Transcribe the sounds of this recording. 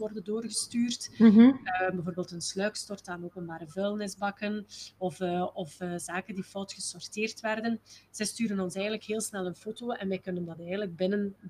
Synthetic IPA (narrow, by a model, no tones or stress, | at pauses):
ʋɔrdəndoːrɣəstyːrtː | bɛvoːrbeːlˠtənslœɥkstɔrtaːnoːpənbaːɾəvølˠnɪzbɑkənɔfɔfːzaːkəndifɔwtxəsɔrteːrtʋɛrdənz̥ɛjstyːɾənɔnsɛjənələkɦeːlˠsnɛlˠənfoːtoːɛnʋɛjkɵnəndɑtɛjɣəndləɡ̚bɪnən